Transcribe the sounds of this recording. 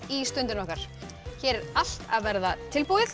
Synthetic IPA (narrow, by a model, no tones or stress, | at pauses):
ist̪ʏnt̪ɪnɔhkaɾ̥ | çɛːɾɾal̥t̪aðvɛɾðat̪ʰɪlpoːwɪθ